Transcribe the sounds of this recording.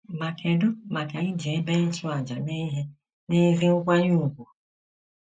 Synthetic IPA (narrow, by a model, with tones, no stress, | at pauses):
ma˨kʰe˨dʊ˦ma˨ke˨ɲi˦d͡ʒe˨˦be˦n̩˦tʊ˦a˨d͡ʒa˨ne˦i˦ɦe˦ | ne˦zi˦ŋ̩˦kʷa˦ɲu˦˨ɡʷu˨